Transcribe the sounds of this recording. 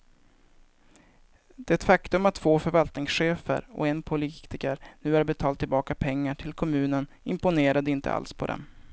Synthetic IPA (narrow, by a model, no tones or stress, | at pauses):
d̪̥ɛɛt̪fakt̪ɵmat̪ʰːvoːfœɾvalt̪nɪŋsɧeːfə̰ɾɔ̰ɛnpʰʊliːt̪ɪkəɾnʉ̟ːæɾbɛt̪ʰɑːlt̪ʰːɪlbɑːkapʰɛŋːaʈʰɪlkʰɔmʉ̟ːnən | ɪmpʊneːɾad̪əɪnt̪ʰə̰a̰lspʰɔd̪ɛ̰m